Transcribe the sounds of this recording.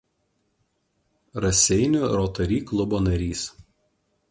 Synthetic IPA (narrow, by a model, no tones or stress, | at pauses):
ɾɐsʲɛɪnʲʊɾɔːt̪ɐɾʲiːklˠʊboːnɐɾʲiːs